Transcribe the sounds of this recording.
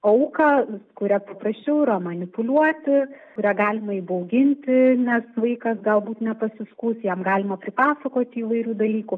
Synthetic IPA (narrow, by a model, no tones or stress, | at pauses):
ɐʊkɑːkʊɾʲɛpɐpɾɐsʲt͡ʃʲɛʊɪɾɐmɐnʲɪpʊlʲuɔt̪ʲɪkʊɾʲæːɡɑːlʲɪmɐiːbɐʊɡʲɪnʲt̪ʲɪnʲɛsʋɐɪkɐsɡɐlˠbuːt̪nʲɛpɐsʲɪskuːsjɛmɡɑːlʲɪmɐpʲɾʲɪpɑːsɐkoːt̪ʲiːʋɐɪɾʲuːd̪ɐlʲiːkʊ